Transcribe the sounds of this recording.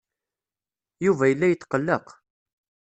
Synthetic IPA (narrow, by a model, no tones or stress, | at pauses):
juvæjəlːæjət̪ːqəlːəq